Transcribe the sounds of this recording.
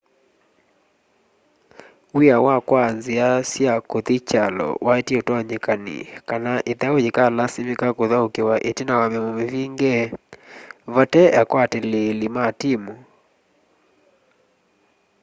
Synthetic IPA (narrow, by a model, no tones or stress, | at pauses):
wiawakwanziasjakotit͡ʃalɔ̰waetiotwaɲekanḭkanaʔetɛod͡ʒikalasimikakoðaokewaʔetinawamɛmomeviŋɡɛ | vɔtɛakwatɛlelimatimo